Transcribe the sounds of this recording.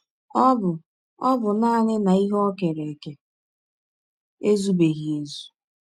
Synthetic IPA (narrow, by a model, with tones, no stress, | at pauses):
ɔ˦bʊ˨ | ɔ˦bʊ˨naː˦˨nɪ˦na˨i˦ɦɔ˦ke˨ɾe˨ke˨ | e˦zu˦be˨ɣi˨e˨zu˨